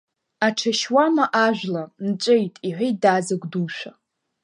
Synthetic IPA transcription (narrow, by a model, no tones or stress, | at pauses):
aʈ͡ʂʰaʃwamaʔaʒᶣʷlant͡ʃʷʼejtʼiħʷejdazaɡʷduʃʷa